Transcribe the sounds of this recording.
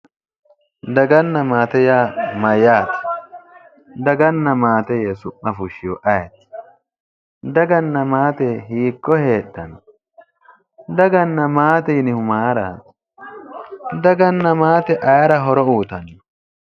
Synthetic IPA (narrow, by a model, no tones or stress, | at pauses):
d̪ɐɡɐnːɐmaːt̪ɛjaːmɐjaːt̪ | d̪ɐɡɐnːɐmaːt̪ɛjesʊʔːɐfʊʃɪjɔʔɐjɐt̪ | d̪ɐɡɐnːɐmaːt̪ɛɦiːkːɔhe̞ːɗːɐn | d̪ɐɡɐnːɐmaːt̪ɛjɪnɪhʊmaːɾa̰ːt̪ | d̪ɐɡɐnːɐmaːt̪ɛʔɐjɐɾɐɦɔɾɔuːt̪ɐn